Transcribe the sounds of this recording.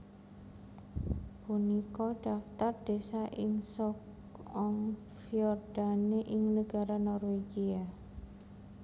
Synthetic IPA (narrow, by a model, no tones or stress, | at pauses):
punikɔɖ̥aft̪ard̥esaʔɪŋsɔk | ɔŋ | fiɔrd̥aneʔɪŋnəɡ̥aɾanɔrweɡia